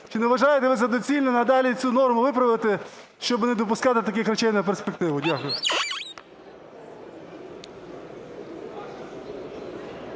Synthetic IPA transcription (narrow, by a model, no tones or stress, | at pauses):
t͡ʃɪnɛʋɐʒɑjet̪ɛʋɪzɐd̪ɔt͡sʲilʲnɔnɐd̪ɑlʲit͡sʲunɔrmʊʋɪpɾɐʋɪt̪ɪ | ʃt͡ʃɔbnɛd̪ɔpʊskɑt̪ɪt̪ɐkɪxɾɐt͡ʃɛjnɐp̬erspek̚t̪ɪʋʊdʲakʊjʊ